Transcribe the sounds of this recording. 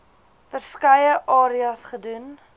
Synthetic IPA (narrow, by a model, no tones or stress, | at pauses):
fərskəjəʔɑːɾiɐsχədun